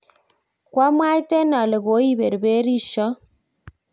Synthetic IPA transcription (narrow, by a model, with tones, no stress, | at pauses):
kwa˦m˦a˦jtɛ˦na˨le˨ɡo˨˦i˦be˨ɾbe˦ɾi˦ʃɔ˦